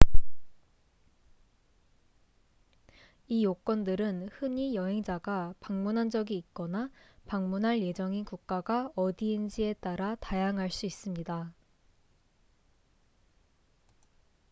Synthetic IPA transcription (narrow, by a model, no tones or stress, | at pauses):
ijok͈wʌndɯɾɯnhɯɲijʌɦe̞ŋd͡ʑaɡapaŋmunɦand͡ʑʌɡiːk̚k͈ʌnapaŋmunɦaɭje̞d͡ʑʌŋikuk̚k͈aɡaʌdiːnd͡ʑie̞t͈aɾatajaŋɦaɭs͈uis͈ɯmɲida